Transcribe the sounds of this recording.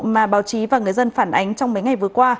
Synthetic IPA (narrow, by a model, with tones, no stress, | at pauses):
maː˨˩ɓaː˨˦wt͡ɕi˨˦vaː˨˩ŋɨ˨˩əjzə˧nfaː˧˩nʔa˨˦jŋ̟t͡ɕɔ˧wŋ͡mmə˨˦jŋa˨˩jvɨ˨˩əkwaː˧